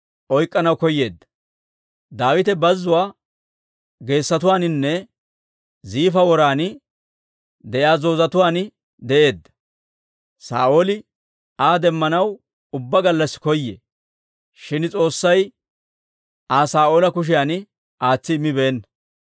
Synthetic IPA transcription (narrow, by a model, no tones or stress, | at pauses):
ʔɔjkʼːɐnɐwkɔjːe̞ːd̪ːɐ̥ | d̪aːwɪt̪ɛbɐzːʊwaː | ɡe̞ːsːɐt̪ʊwaːnɪnːɛ | ziːfɐwɔɾaːn | d̪ɛʔjaːzo̞ːzɐt̪ʊwaːnɪ | d̪ɛʔe̞ːd̪ːɐ̥ | sa̰ːʔoːlɪ | aːd̪ɛmːɐnɐw | ʊbːɐɡɐlːɐsɪ̥kɔjːḛ | ʃɪnt͡sʼo̞ːsːɐj | aːsaːʔoːlɐkʊʃ̬ɪjaːn | ʔaːt͡sːɪɪmːɪbeːnːɐ